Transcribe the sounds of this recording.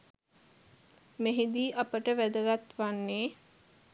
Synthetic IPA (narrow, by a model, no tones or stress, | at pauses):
meɦid̪iːʔapəʈəʋæd̪əɡat̪ʋanːeː